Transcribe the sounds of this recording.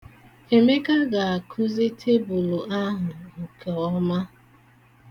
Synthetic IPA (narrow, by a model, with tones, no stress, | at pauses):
e˨me˦ka˦ɡa˨a˨kʰʊ˦zi˦tʰe˦bʊ˨lʊ˨ʔa˦ɦʊ˨o˨ke˨ɔ˦ma˦